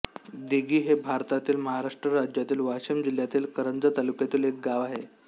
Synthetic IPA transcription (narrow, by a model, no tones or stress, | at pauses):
d̪iɡiːɦebʱaɾt̪at̪iːlməɦaɾaʂʈɾəɾad͡ʑjat̪iːlʋaɕəmd͡ʑiljat̪iːlkəɾənd͡zət̪alukjat̪iːlek̚ɡaʋaɦe